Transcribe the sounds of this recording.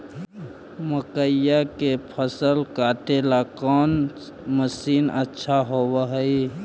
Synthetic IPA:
məkəjakepʰəsəlkaːt̪elakɔːn | məsiːnətːʃʰaɦowaɦəi

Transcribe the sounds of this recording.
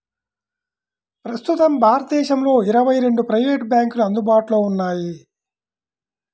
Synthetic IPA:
pɾɐst̪ut̪ɐmbʱaːɾɐt̪d̪ɛːʃɐmlo̞ːiɾɐʋɐjɾe̞ɳɖupɾɐjʋeːʈbjaːŋkuluɐnd̪ubaːʈuloːunːaːji

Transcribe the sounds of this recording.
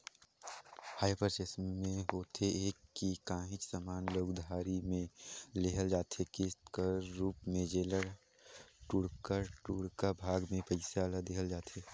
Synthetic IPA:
haːɪpəɾsesmimẽɦoːt̪ʰeeːkːikãːɦɪ̃t͡ʃsaːmaːnloːɡd̪ʱaːɾimẽleɦəld͡ʒaːt̪ʰekɪkaɾuːpmẽd͡ʒeːləɾ | ʈuɽkəɾʈuɽkabʱaːɡmẽpəɪsalad̪eɦəld͡ʒaːt̪ʰe

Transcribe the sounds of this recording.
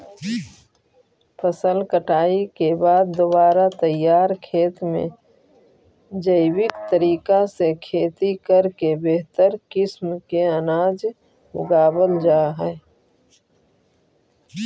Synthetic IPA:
pʰəsəlkəʈaːikebaːd̪̚ːobaːɾat̪əjaːɾkʰeːt̪mḛ̃ | d͡ʒəɪwɪkt̪əɾiːkasekʰeːt̪ikəɾkebeɦt̪əɾkɪsmkeənaːd͡ʒ | ʊ̰ɡaːbəld͡ʒaːɦɛː

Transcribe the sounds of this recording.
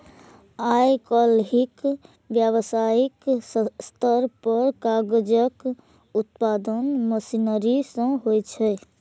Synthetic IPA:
ajkəlɦik | bjəβsaiksst̪ʰəɾpəɾkaɡd͡ʒək | ut̪pad̪ənməsinəɾisə̃ɦojt͡ʃʰɛj

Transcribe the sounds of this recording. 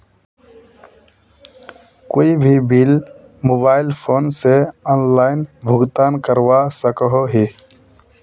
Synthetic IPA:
koːibʱibiːl | moːbaːɪlpʰoːnseɔːnlaːɪnbʱʊɡt̪aːnkəɾwasəkəɦoɦi

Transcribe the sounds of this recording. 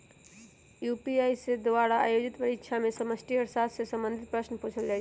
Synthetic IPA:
jupiajsed̪waɽaa̰jod͡ʒit̪pəɾitːʃʰamesəməsʈ̪ʰiəɾsassesəmbənd̪ʱit̪̚pɾəsnpoːt͡ʃʰəld͡ʒaːi

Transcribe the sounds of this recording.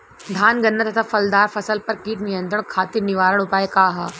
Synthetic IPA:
d̪ʱaːnɡɐnːət̪ɐt̪ʰafɐld̪aːɾfɐsəlpɐɾkiːʈnijə̃nt̪ɾəɳ̃kʰaːt̪ɪɾnɪʋaːɾəɽ̃ʊpaːekaːɦɐ

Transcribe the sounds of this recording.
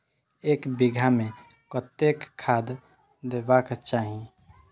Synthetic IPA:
eːkbiɡʱamẽ | kət̪ekʰːaːd̪ | d̪eːbakt͡ʃaːɦi

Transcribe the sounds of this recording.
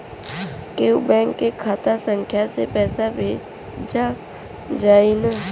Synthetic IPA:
keubɛ̃ːŋkːekʰaːt̪asə̃ŋkʰjasepɛːsabʱeː | d͡ʒa | d͡ʒaːina

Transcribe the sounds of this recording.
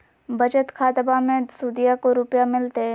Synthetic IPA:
bɐd͡ʒət̪kʰaːt̪bamẽsuːd̪ijakoɾʊpjamɪlt̪eɦɛ̃

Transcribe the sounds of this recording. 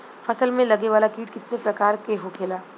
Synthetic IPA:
fɐsəlmẽlɐɡeʋaːlakiːʈkɪt̪nepɾɐkaːɾkeɦokʰeːlaː

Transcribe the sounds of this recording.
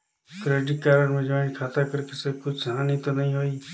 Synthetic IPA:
kɾeːɖɪʈkaːɾəɳmẽd͡ʒaːɪnkʰaːt̪aːkəɾkesekʊt͡ʃʰɦãːnĩt̪onəɦĩɦoːiː

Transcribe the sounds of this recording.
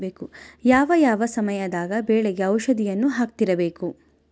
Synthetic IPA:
beːkujaːʋɐjaːʋɐsɐmɐjɐd̪aːɡɐbɛːɭɛɡeɐwʃɐd̪ijɐnːuɦaːk̚t̪iɾɐbeːku

